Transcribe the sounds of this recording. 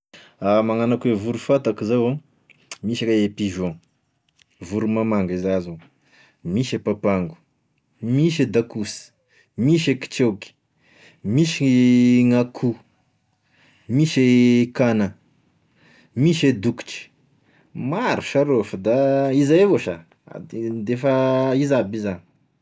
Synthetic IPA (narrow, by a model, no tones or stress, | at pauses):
amaŋanakwevuɾufat̪akizawa | miʃakaepiʒõ | vuɾumamaŋɡizazu | miʃepapaŋɡu̥ | miʃed̪akus | miʃeki̥t͡ʃewki̥ | miʃiŋakʰu | miʃekanə | miʃed̪uku̥ʈ͡ʂi̥ | maɾuʃaɾofəd̪aizaevoʃa | a̰d̪id̪efaizabizan